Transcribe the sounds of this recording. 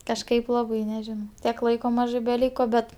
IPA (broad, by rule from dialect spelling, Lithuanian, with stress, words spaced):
kɐʃˈkɐɪp ˈlˠɑːbɐɪ nʲɛˈʒʲɪnɐʊ ˈtʲiɛk ˈlˠɐɪkoː ˈmɑːʒɜ bʲɛˈlʲiːkoː ˈbʲɛt